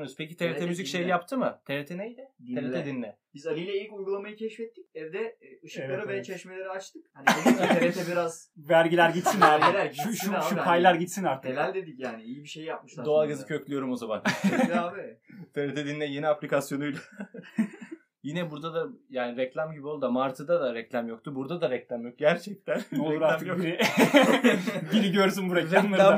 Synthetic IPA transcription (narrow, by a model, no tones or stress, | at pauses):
nyspʰecit̪ʰeɾet̪ʰɛmyzicʃejjapt̪ʰɯmɯt̪ʰeɾet̪ʰenejd̪ɪeɾet̪ʰɛd̪inːɛ | b̥izaɾɯjlʲɛilʲicujɡulˠamajɯcʰɛʃfɛt̪ʰːic̚ɛvd̪ɛ | ɯʃɯklˠaɾɯveɛt͡ʃʰɛʃmelʲeɾiat͡ʃt̪ʰɯkhaneɾet̪ʰɛbiɾazvæɾɟilʲæɾɟit̪sinæɾɾɡilʲæɾʃʃuupʰajlʲˠaɾɟit̪sinaɾt̪ʰɯelælʲd̪e̞d̪icjaːniijibiʃejjap̚mɯʃlˠad̪oalˠɡazɯcʰøclʲyjo̞ɾumo̞zama̰naːbit̪ʰeɾet̪ʰed̪inːɛjeniaplʲikasjo̞nujlˠa | jinɛbuɾd̪ad̪ajaːniɾɛclʲamɟibio̞lˠd̪amaɾt̪ʰɯd̪ad̪aɾɛclʲamjok̚t̪ubuɾd̪ad̪aɾɛclʲamjok̚ɟæɾt͡ʃʰɛc̚t̪ʰænnɛolˠuɾaɾɯki | ɟiɾiɟøɾs̬ynbuɾɛcɾʲamˠaa